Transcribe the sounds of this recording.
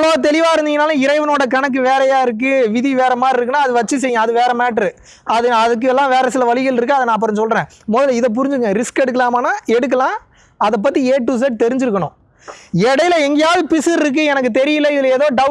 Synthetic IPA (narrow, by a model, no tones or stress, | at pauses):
loːt̪̬ɛlɪʋaːɪɾɯnd̪ɪŋɡɐnaːlɐɪɾɐɪʋɐnoːɽɐkɐɳɐk̬ːɯʋeːɾɐjaːɪɾɯk̬ːɯʋɪðiʋeːɾɐmaːɾɪɾɯkːɯnːaːɐðɯʋɐt͡ʃːɯs̬ɛjɡɐ̃ɐðɯʋeːɾɐmaːʈɐɾɯ | ɐðɯɐðɯk̬ːɯɛlːãːʋeːɾɐsɪlɐʋɐɭɪɣɐlɪɾɯkːɯɐðɐnãːp̬ːɐɾɐnsɔlrẽː | mɔðɐlɪðɐp̬ʊɾɪɲd͡ʒɯkːɐŋɡɐ̃ɾɪskɛɽɯkːɐlaːmaːnaːɛɽɯk̬ːɐlãː | ɐðɐp̬ːɐt̪ːieːʈːuːs̬eʈ̚t̪ɛɾɪɲd͡ʒɪɾɯkːɐɳʊ̃ | ɛɽɐjɪlɐɛŋɡɐjaːðɯpɪsɪɾɪɾɯk̬ːɯɛnɐkːɯt̪ɛɾɪjɪlːɐɪðɪleːðoːɖɐ